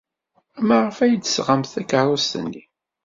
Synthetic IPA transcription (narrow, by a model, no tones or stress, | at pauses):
æmːæʁəfæjəd̪ə̥sʁəmθækəɾˤʊst̪ə̰nːi